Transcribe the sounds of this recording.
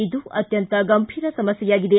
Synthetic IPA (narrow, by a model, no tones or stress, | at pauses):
id̪uʔɐt̪jɐnt̪ɐɡɐmpʰiɾɐsɐmɐsjɐjaɡid̪ɐ